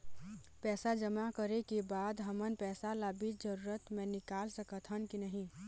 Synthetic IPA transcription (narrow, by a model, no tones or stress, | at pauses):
pɛːsad͡ʒəmakəɾekebaːd̪ɦəmənpɛːsalaːbit̪d͡ʒəɾuːɾət̪mẽnɪkaːlsəkət̪ʰənkinəɦĩ